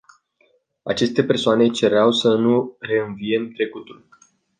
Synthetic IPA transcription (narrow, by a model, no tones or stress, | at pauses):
a̰t͡ʃe̞st̪e̞pe̞rsoane̞t͡ʃe̞ɾeawsənure̞ɨnvie̞mt̪ɾe̞kut̪ul